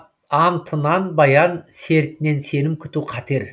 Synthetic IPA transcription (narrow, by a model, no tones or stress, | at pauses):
ɑnt̪ʰənɑnbɑjɑnse̞ɾt̪ɪne̞nse̞nɪmkʲʰʏ̥t̪uqʰɑt̪e̞ɾ